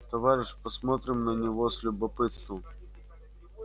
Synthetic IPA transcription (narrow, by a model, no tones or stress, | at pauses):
t̪ɐvaɾʲɪʂpɐsmɔt̪ɾʲɪmnənʲɪvosʲlʲʊbɐpɨt̪st̪vəm